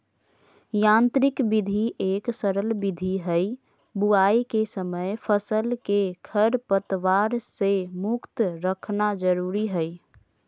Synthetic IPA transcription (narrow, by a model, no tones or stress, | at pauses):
jãnt̪ɾikbid̪ʱiʔeksəɾəlbid̪ʱiɦəj | buaikesəməjpʰəsəlkekʰəɾpət̪ʋaɾsemʊkt̪ɾəkʰnad͡ʒəɾuɾiɦəj